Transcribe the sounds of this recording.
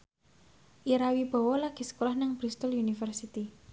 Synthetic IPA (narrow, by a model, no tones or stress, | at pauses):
ʔiɾawib̥ɔ̤wɔlaɡ̥i̤sə̥kolahnaŋb̥ɾist̪əlunifərsit̪i